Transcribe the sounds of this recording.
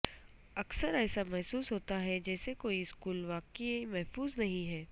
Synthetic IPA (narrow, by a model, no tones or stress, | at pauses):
ɐksəɾɛːsamɛɦsuːsɦoːt̪aɦɛd͡ʒɛːsekoːiɪskuːlʋaːkimɛɦfuːznɐɦĩɦɛː